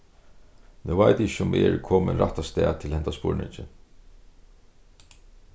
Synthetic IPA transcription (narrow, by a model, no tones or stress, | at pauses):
nuvajt̪ɪçʊmʔɛɹkʰɔːmɪnɾa̰ht̪ast̪ɛːt̪ʰɪlhɛnt̪aspʊ̰ɹnɪ̰ɲt͡ʃɪ